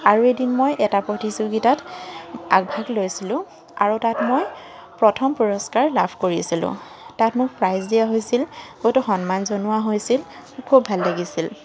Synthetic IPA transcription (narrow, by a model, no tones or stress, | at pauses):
aɹuejdinmojʔɛtapɹotizuɡitat | a̰ɡ̚bʱaɡlojsilʊ̃ | a̰ɹutatmoj | pɹɔtʰɔmpɔɹɔskaɹlabʰʱkoɹiasilʊ̰̃ | tatmʊk̚pɹajzdiaɦojsilhojtuxɔnmanzonʊaɦojsil | kʰubʱalːaɡisil